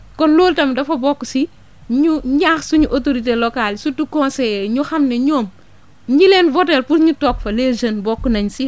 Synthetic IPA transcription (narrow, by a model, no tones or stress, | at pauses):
kɔnloːltɐmdɐfɐbɔkːusi | ɲuɲaːxsuɲuʔotoɾit̬elɔkalsutukːɔnsɛɲuxɐmnɛɲoːm | ɲilenvɔtɛlpuɾɲutɔkfɐled͡ʒənbɔkːunɐɲsi